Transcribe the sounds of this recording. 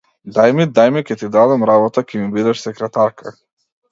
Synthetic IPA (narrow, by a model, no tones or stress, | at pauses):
d̪ajmid̪ajmikʲɛt̪id̪ad̪amɾabɔt̪akʲɛmibid̪ɛʃsɛkɾɛt̪aɾkʰa